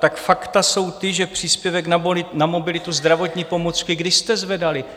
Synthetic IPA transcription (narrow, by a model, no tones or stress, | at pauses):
t̪akfakt̪aso̞wt̪ɪʒɛpr̝̥iːspjɛvɛknalɪnamo̞bɪlɪt̪uzd̪ɾavo̞t̪ɲiːpo̞mot͡skɪɡdɪʃst̪ɛzvɛdalɪ